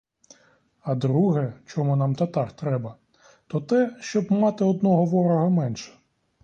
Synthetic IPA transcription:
ɐd̪ɾuɦɛt͡ʃɔmunɑmt̪ɐt̪ɑkt̪ɾɛbɐ | t̪ɔt̪ɛʃt͡ʃɔbmɑt̪ɪɔd̪̚nɔɦɔʋɔɾɔɦɐmɛnʃɛ̥

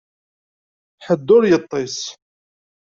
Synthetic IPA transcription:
ħəd̪ːʊɾjət̪ˤːɪs

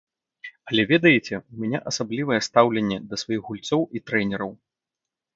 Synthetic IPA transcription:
ɐlʲɛvʲɛd̪ɐjet͡sʲɛumʲɛnʲɛʔɐsablʲivɐjɛst̪awlʲɛnʲːɛd̪ɐsvajixɣɣulʲt̪sɔwit̪ɾɛnʲɛɾɐw

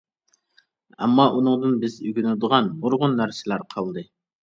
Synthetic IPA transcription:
ɛ̰mːɑʔunɨŋd̪ɨnbɪzyɡʲynɪd̪əʁɑnmoɾʁʊnːæɾsɪlæɾqʰɑlˠd̪ɨ

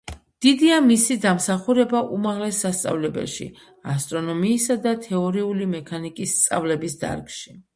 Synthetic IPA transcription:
d̪̥id̪iamisid̪amsaχuɾɛbaʔumaʁlɛsast̪sʼa̰vlɛbɛ̰lʃḭ | ast̪ʼɾɔnɔmiːsad̪at̪ʰɛɔɾiulimɛkʰanikʼisːt̪sʼa̰vlɛbisd̪a̰ɾkʃi

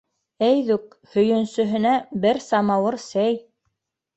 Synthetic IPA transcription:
æjðʉk̚ | hɵ̆jɵ̆nsɵ̆ɦɘ̆næbɘɾsɑmɑwɤɾsæj

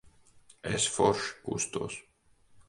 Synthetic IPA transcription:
esfoɾʃkṵst̪o̰s

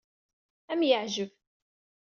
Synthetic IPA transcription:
æmjəʕʒəv

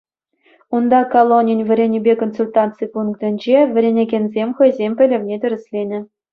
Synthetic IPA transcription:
und̪ɑkolˠonʲinʲvʲɘ̆ɾʲenʲibʲekonsulʲt̪ɑnt̪t͡sɨpunkt̪ɘ̆nʲd͡ʑevʲɘ̆ɾʲenʲeɡʲenʲzʲemʲχɤ̆jzʲemʲpʲɘ̆lʲɘ̆vʲnʲet̪ʲɘ̆ɾʲɘ̆sʲlʲenʲɘ̆

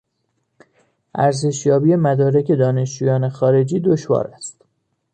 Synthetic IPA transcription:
ʔæɾze̞ʃjɒːbiːemæd̪ɒːɾecʰe̞d̪ɒːne̞ʃd͡ʒuːjɒːnexɒːɾe̞d͡ʒiːd̪oʃvɒ̰ːɾæst̪

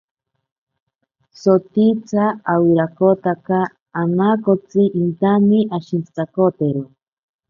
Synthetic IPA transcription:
sot̪it͡sʰaawiɾakot̪akaː | nakot͡sɨʔint̪aniʔaʃint͡si̥t͡sakot̪eɾo

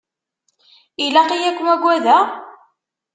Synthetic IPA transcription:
ilæqijækʷːəmæɡʷːæðæ

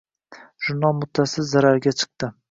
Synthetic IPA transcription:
ʒ̥ʊɾnɑlˠmʊt̪ʰːasɪlzaɾaɾɡʲat͡ʃʰɨ̥q̚t̪ɪ

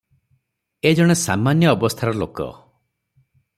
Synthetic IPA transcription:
ed͡ʒɔɽ̃esa̰manjɔːbɔst̪ʰaɾɔlokɔ̰

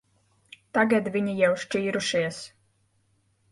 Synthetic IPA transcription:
t̪aɡad̪vʲiɲijawʃt͡ʃiːɾuʃiɛs

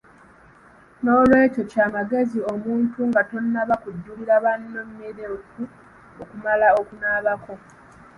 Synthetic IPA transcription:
no̞ːlwe̞ːto̞caːmaɡe̞zio̞muːntʰuŋɡato̞nːaβakudːuliɾaβanːo̞mːeɾetu | okumalao̞kunaːβako̞

